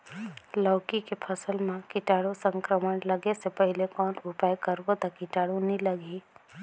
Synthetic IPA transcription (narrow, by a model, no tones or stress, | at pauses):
ləːkikepʰəsəlmẽkɪʈaːɽosə̃ŋkɾəməɽləɡesepəɦɪlekɔːnʊpajkəɾbot̪akɪʈaːɽunĩləɡi